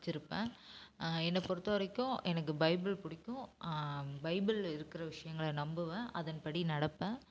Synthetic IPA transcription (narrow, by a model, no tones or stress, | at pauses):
t͡ʃːɪɾɯpːḛ̃ː | ɛnːɐpɔɾɯt̪ːaːɾɪkːʊ̃ʔɛnɐkːɯbɐɪbɪlpʊɽɪkʲːʊ̃ | bɐɪbɪlɪɾɯkːɪɾɐʋɪʂɐjɐŋɡɐɭɐnɐmbɯʋɐ̃ʔɐðɐnpɐɽinɐɽɐpːɐ̃